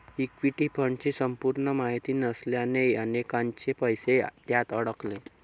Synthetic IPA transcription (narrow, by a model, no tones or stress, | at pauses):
ikʋiʈipʰəɳt͡ɕesəmpuɾɳəmaɦit̪iːnəsljaneənekãɲt͡ɕepəjset̪jat̪əɽəkle